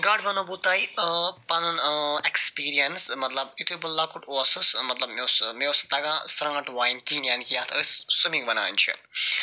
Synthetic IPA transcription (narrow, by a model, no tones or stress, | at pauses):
ɡaɖbɐnobut̪ɐjpɐnɐnekspiːɾijɐnsmɐt̪lɐbit̪ʰubɐlːakuʈuɐsɐsmɐt̪lɐbmewsmewst̪ɐɡãsɾɐŋɡɐʈʋajnkinjankijat̪ʰəssumikbɐna̰ːnt͡ʃʰḭ